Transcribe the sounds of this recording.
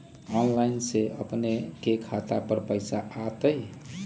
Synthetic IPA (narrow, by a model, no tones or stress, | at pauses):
ɔnlainseə̰pnekekʰat̪apəɾpəɪsaʔat̪əj